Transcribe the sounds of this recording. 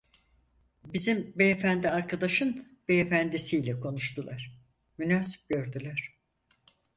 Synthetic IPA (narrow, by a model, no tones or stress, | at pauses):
bizimbeːfænd̪iaɾkʰad̪aʃɯn | b̥eːfænd̪isijlʲɛkʰo̞nuʃt̪ʰulˠaɾ̥ | mynaːsi̥p̚ɟø̞ɾd̪ylʲæɾ̥